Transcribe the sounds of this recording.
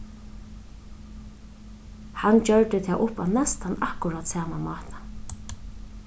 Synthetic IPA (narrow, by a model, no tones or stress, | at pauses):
hant͡ʃœɹt̪ɪt̪ʰɛːʔʊpa̰nɛst̪anahkʊɾat̪saːmamɑːht̪ḁ